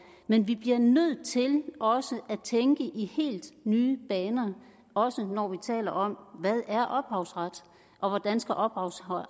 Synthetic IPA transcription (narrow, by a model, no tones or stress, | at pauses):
menʋib̥liɐnøð̰ˠt͡sʰe̝lʔɒ̽səʔæt͡sʰeŋɡ̥əʔihe̝̰ːld̥nyːb̥ɛːnɐ | ɒ̽sənɒʋit͡sʰɛ̰ːlɐʔɒ̽mʋæðˠæɐʔɒ̽b̥hɑ̈ʊsʁad̥ | ʔɒ̽ʋɒd̥ænsɡ̥æʔɒ̽b̥hɑ̈ʊs